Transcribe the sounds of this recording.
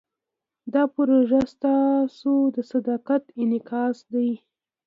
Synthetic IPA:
d̪ɑpɾoʒast̪ɑsod̪əsad̪ɑqat̪ɪnɪkɑsd̪aj

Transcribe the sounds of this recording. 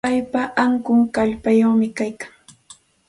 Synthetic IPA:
ajpaʔaŋkʊŋkaʎpajawmɪkajkḁŋ

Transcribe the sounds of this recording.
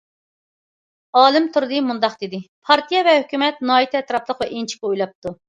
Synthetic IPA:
ɑːlˠɨmt̪ʰuɾd̪ɨmund̪ɑqd̪ɪd̪ɪpʰɑɾt̪ʰijɑvɛhykʲymɛt̪̚nɑːjit̪ʰɛɛt̪ɾɑplˠəqvɛʔint͡ʃʰi̥kʲɛujlˠɑp̚t̪ʰu

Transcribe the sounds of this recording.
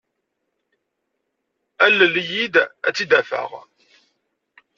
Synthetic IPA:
ælːəljid̪æ̰t͡sːid̪æfə̰ʁ

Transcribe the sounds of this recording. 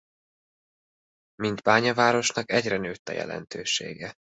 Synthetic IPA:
mint̪baːɲɒvaːɾo̞ʃnɒkɛɟrɛnøːt̪ːɛ̰jɛ̰lɛ̰nt̪øːʃḛːɡɛ

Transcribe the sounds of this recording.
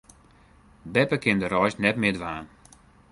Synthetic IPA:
bɛpəkɪndəɾɔjsnɛtmɪdʋaːn

